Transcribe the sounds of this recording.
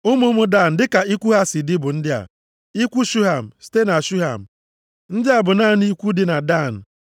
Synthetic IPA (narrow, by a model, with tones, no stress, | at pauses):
ʊ˦mʊ˦mʊ˦da˦˨n̩˨dɪ˦ka˨i˦kʷu˦ɦa˦sɪ˨dɪ˦bʊ˨n̩˦dɪ˦a̰˨ | i˦kʷu˦ʃu˦ɦa˨m̩˨ste˦na˨ʃu˦ɦa˨m̩˨ | n̩˦dɪ˦a˨bʊ˨naː˦˨ni˦kʷu˦dɪ˦na˨da˦˨n̩˨